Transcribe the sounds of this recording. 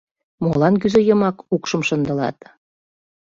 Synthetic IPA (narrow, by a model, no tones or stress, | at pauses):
molɑnk̬yzejə̆mɑkukʃəmʃə̆nd̪ə̆lɑ̰t̪